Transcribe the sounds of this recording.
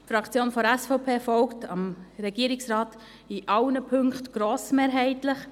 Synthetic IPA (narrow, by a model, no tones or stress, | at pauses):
fɾɑkt͡sjoːnfɔɾɛsfɔʊpʰeːfɔlktɑmɾɛɡ̥iəɾɪksɾɑːt | iʔɑʊnəpʰʏŋkχtɡ̥ɾoːsmeːɾɦɛɪtlɪχ